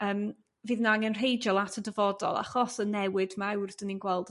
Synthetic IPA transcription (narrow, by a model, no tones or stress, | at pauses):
əːm | viːðnaŋənr̥ejd͡ʒɔlˠatʰədəvɔdɔ̰lˠa̰χɔsənɛwɨdmawrd̥əninɡwɛlˠd